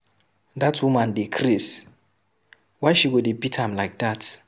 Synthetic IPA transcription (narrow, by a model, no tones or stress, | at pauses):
datswumãndekʰɾis | wajʃiɡudebitʰãmlajk̚dat